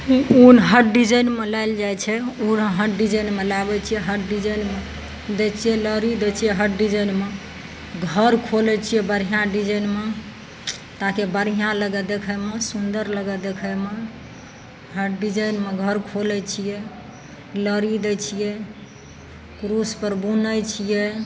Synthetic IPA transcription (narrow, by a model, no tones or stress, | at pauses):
unɦəɖid͡ʒəjnmelaɪld͡ʒajt͡ʃʰɛunɦəɖid͡ʒəjnmelabɛt͡ʃʰijɛɦəʈɖid͡ʒəjnme | d̪et͡ʃʰijɛləɾid̪et͡ʃʰijɛɦəʈːid͡ʒəjnme | ɡʱəɾkʰolɛt͡ʃʰijɛbəɾɦijãɖid͡ʒənme | t̪akebəɾijãləɡɛd̪ekʰəmesund̪əɾləɡɛd̪ekʰəme | ɦəɖid͡ʒəjnmeɡʱəɾkʰolɛt͡ʃʰijɛ | ləɾid̪et͡ʃʰijɛ | kɾuspəɾbunəjt͡ʃʰijɛ